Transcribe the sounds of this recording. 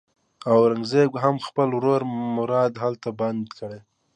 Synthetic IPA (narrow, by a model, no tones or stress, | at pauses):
awɾaŋɡzeɡɦamxpəlwɾoɾmʊɾɑd̪ɦalt̪aband̪kəɽe